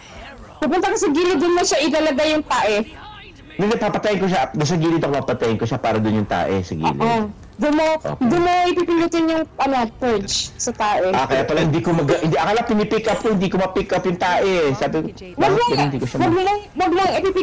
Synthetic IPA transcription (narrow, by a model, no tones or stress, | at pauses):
pɐpʊnt̪ɐkɐsɐɡiːlɪd̪ʊnmoʃɐʔɪlɐlɐɡajʊŋt̪aːʔɛ | d̪d̪ɛpapɐt̪ɐjɐnkoʃad̪ɐs̬ɐɡiːlɪt̪okpapɐt̪ɐjɐnkoʃapaːɾɐd̪onjʊŋt̪a̰ːʔɛ̰sɐɡḭːla | d̪ʊnmo̰d̪ʊnoʔɪpipɪnʊt̪ɪnjʊŋʔɐnopɛt͡ʃsɐt̪aːʔɛʔakɐjaːp̪ɐlɐhɪnd̪iːkomɐɡɐhɪnd̪ʔɐkɐlapɪnipɪkʔɐp̚kohɪnd̪iːkomɐpɪkʔɐpjʊŋt̪aːʔɛsaːbɪ | aːɡ̪ɐnɪnd̪iːkoʃawɐɡlɐŋwɐɡlɐŋɪpipɪ